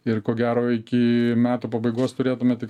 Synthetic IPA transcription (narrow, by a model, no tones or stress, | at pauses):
ɪrkoːɡʲæːɾoːɪkʲɪmʲæːt̪uːpɐbɐɪɡoːst̪ʊɾʲeːt̪ʊmʲɛt̪ʲɪk